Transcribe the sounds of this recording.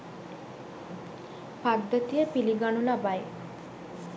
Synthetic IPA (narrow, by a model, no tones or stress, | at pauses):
paɡ̚d̪et̪iepiliɡaɳulabae